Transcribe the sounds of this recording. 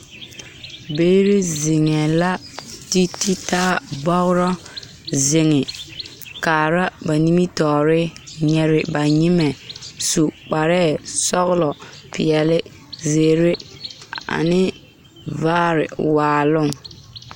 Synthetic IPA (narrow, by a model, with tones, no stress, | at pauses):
beː˦ɾe˦zɪ˨ŋɛ˨la˦ti˦ti˦taː˦bɔ˦ɣʊ˦ɾɔ˦ | zɪ˨ŋɪ˨ | kaː˨ɾa˦ba˨ni˦mi˦tɔː˨ɾɪ˦ɲɛ˨ɾɪ˨ba˨ɲɪ˦mɛ˨su˨k͡pa˨ɾɛː˦˨sɔ˦ɣʊ˦lɔ˨pɪ˨ɛ˨lɪ˦ | zeː˨ɾe˦ | a̰˨nɪ˦ | vaː˦ɾɪ̰˨waː˨lʊ˦ŋ